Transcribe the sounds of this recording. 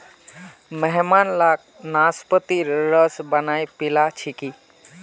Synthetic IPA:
məɦmanlak̚ | naspət̪iɾɾəsbənajpilat͡ʃʰiki

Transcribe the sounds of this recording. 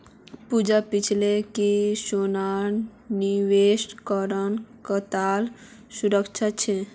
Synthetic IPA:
pud͡ʒapit͡ʃʰlekisonanniʋesʈkəɾənkət̪al | suɾəkt͡ʃʰat͡ʃʰe

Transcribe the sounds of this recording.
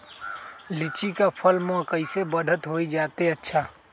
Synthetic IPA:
lit͡ʃikapʰəlmẽkəɪsebəd̪ʱət̪ɦoid͡ʒat̪eətːʃʰa

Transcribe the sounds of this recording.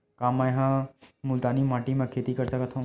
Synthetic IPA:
kaːmːɛ̃jɐɦãmʊlt̪aːnimaːʈimẽkʰeːt̪ikɐɾsɐkət̪ʰɦã

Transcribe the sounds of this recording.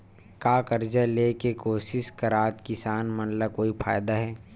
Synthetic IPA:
kaːkəɾd͡ʒaleːkekoːsɪʃkɐɾaːt̪kɪsaːnmɐnlakoːifʰa̰ːjd̪aɦɛː

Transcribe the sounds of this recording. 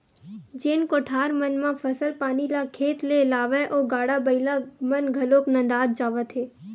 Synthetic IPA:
d͡ʒeːnkoʈʰaːɾmənmãfʰəsəlpaːnilakʰeːt̪lelaːʋẽʔoɡaːɽabəilamənɡʱəloːknə̃nd̪aːd̪̚d͡ʒaːʋət̪ʰɦeː

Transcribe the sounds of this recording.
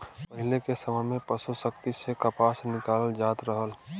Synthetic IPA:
pəɦɪlekesəməɪmẽpəsusəkt̪isekəpaːsnɪkaːləld͡ʒaːt̪ɾəɦəl

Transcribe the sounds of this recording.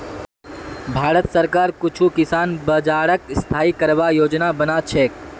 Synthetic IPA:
bʱaːɾət̪səɾkaːɾkʊt͡ʃʰukɪsaːnbəd͡ʒaːɾəkst̪ʰaːikəɾʋajoːd͡ʒnabənat͡ʃʰe

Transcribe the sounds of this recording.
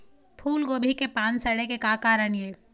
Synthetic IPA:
pʰuːlɡoːbʱikepãːnsɐɽekekaːkaːɾəɳjeː

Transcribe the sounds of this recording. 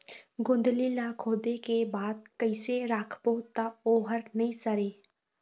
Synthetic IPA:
ɡʊ̃nd̪lilakʰoːd̪ekebaːd̪̚kəɪseɾakʰpot̪aoːɦəɾnɐɦĩsəɾeː

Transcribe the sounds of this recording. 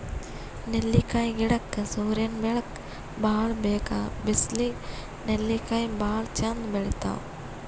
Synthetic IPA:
nelːiːkaĩɡɪɽɐkːsoːɾjɐnbeɭɐk | baːɭbeːkaːbɪsli | nelːikaːĩbaːɭt͡ʃɐnd̪beɭit̪a̰ːw

